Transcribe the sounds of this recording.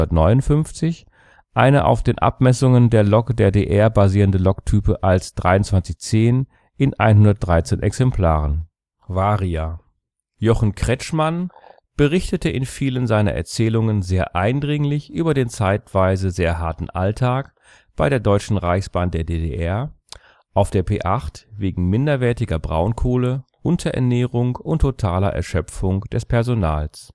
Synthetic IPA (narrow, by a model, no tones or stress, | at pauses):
ɐtnɔʏnʊntfʏnft͡sɪç | ʔaɪnəʔa̰ʊfd̥eːnʔa̰p̚mɛsʊŋəndeːɐlɔkdeːɐdeːʔɛɐbaziːʁəndəlɔktʰyːpəʔalsd̥ʁa̰ɪʊntt͡sv̥ant͡sɪçt͡seːn | ʔɪnʔa̰ɪnɦʊndɐt̚d̥ʁaɪt͡seːnʔɛ̰ksɛmpʰl̥a̰ːʁən | vaːʁia | jɔχn̩kʁ̥ɛt͡ʃman | b̥əʁɪçtətəʔɪnfiːlənzaɪnɐ̰ʔɛ̰ɐt͡sɛːlʊŋənzeːɐʔaɪndʁɪŋlɪçʔyːbɐdeːnt͡saɪtv̥aɪzəzeːɐɦaɐtn̩ʔa̰ltʰaːk | b̥aɪɾeːɐdɔʏt͡ʃn̩ʁaɪçsb̥aːnd̥eːɐdeːdḛʔɛɐ | ʔaʊfd̥eːɐpʰḛːʔaχtveːɡŋ̩mɪndɐvɛɐtɪɡɐbʁa̰ʊnkʰoːlə | ʔʊntʰɐʔɛ̰ɐnɛːʁʊŋʔʊntʰːotʰaːlɐ̰ʔɛ̰ɐʃœp͡fʊŋd̥ɛspʰɛɐzonaːls